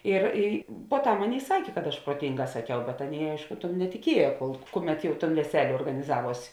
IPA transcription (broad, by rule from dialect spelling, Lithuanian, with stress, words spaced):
ɪr ɪ poːˈtɐm ˈɑːˌnʲeːɪ ˈsɑːkʲeː kɐt ɐʃ pruɔˈtʲɪŋˌɡɑː sɐˈkʲɛʊ bʲɛt ˈɑːˌnʲeːɪ ˈɐɪʃkʊ tʊm nʲɛtʲɪˈkʲiɛjɛ koːlˠ ˈkʊˌmʲɛt ˈjɛʊ toːn ʋʲɛˈsʲæːlʲeː oːrɡɐnʲɪˈzɑːˌʋuɔsʲ